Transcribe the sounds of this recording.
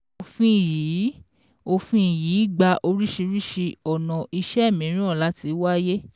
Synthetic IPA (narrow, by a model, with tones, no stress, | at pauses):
o˧fĩ˦˨jiː˨˦ | o˧fĩ˧˦˨ji˨˦˨ɡ͡ba˧ʔo˧ɾi˦ʃi˧ɾi˦ʃi˧ɔ˨nɔ̃˨i˧ʃɛ˦˨mĩ˨˦ɾ̃ĩ˦ɔ˦˨la˨˦ti˧˦wa˦je˦